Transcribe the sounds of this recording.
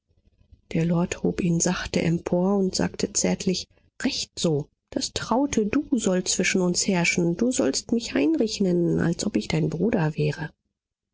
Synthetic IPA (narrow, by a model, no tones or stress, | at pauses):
d̥eːɐlɔɐthoːpʔiːnzaχtəʔɛmpʰoːɐʊntz̥a̰ːktʰət͡sɛɐtʰlɪç | ʁɛçtz̥oː | d̥astʁ̥aʊtʰəduːzɔlt͡sv̥ɪʃn̩ʊnshɛɐʃn̩d̥uːzɔlstmɪçʔaɪnʁɛçnənʔa̰lsʔɔpɪçd̥aɪnbʁuːdɐvɛːʁə